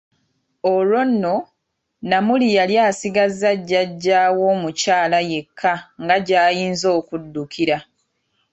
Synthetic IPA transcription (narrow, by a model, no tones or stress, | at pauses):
olo̞nːo̞ | namulijaljaːsiɡazːaɟːaɟːaːwo̞mucaːlaje̞kʰːaŋɡaɟaːjiːnzo̞ːkudːukiɾa